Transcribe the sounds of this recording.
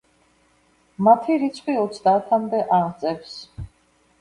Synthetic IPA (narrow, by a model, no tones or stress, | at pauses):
mat̪ʰiɾit̪sʰqʼwiɔt̪sʰd̪aːt̪ʰamd̪ɛʔaʁt̪sʼɛps